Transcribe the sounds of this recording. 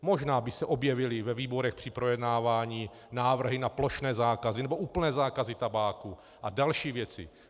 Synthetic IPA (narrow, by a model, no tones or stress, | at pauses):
mo̞ʒnaːbɪsɛʔo̞bjɛvɪlɪvɛviːbo̞ɾɛxpr̥ɪpɾojɛdnaːvaːɲiː | naːvr̩ɦɪnaplo̞ʃnɛːzaːkazɪnɛboʔuːplnɛːzaːkazɪt̪abaːku | ʔadalʃiːvjɛt͡sɪ̰